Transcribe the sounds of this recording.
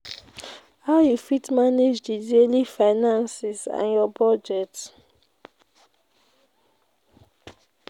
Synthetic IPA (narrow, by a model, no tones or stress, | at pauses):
haʊjufitmaned͡ʒdidelifaɪnãnsisã̰njɔbɔd͡ʒɛt